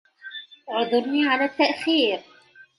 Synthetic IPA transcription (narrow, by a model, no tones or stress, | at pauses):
ʕʊd̪ˤʊɾniːʕalaːt̪ːaʔxiːɾ